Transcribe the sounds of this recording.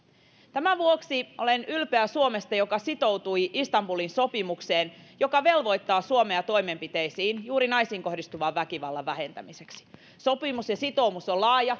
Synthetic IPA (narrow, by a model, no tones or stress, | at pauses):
t̪æmæʋuoksiʔo̞le̞nylpe̞æsuome̞st̪ɑjo̞kɑsit̪o̞wt̪ujist̪ɑmbulinso̞pimukse̞ːnjo̞kɑʋe̞lʋo̞jt̪ːɑːsuo̞me̞ɑt̪o̞jme̞mpit̪e̞jsiːnjuːɾinɑjsiːŋko̞hdist̪uʋɑːʋʋækiʋɑlːɑʋːæɦent̪æ̰mise̞ksi̥ | so̞pimusjɑsit̪owmusolɑːjɑ